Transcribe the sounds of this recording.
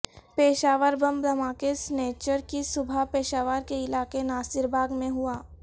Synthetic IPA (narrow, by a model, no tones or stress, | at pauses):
peːʃaːʋəɾbɐ̃mbd̪ɐmaːkesneːt͡ʃəɾkisʊbʱapeːʃaːʋaːɾkeɪlaːkenaːsɪɾbʱaːɡmẽɦuaː